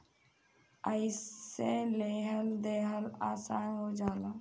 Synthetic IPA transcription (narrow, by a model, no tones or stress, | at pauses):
əiseːleːɦəld̪eːɦəlaːsaːnɦoːd͡ʒaːlaː